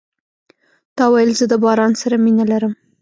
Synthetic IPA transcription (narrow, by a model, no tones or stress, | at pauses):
t̪ɑwajəlzəd̪əbɑɾɑnsaɾaminalaɾəm